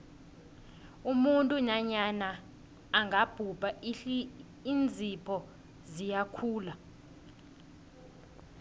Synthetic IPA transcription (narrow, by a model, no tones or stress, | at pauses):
umuntʼuɲaɲanaː | ŋɡʱab̥ʱub̥ʱa | ind͡zʱipʰɔ | zijakʰuːla